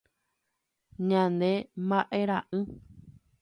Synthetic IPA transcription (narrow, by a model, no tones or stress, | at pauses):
ɲãnd̪e̞mbaʔeɾãʔɨ̃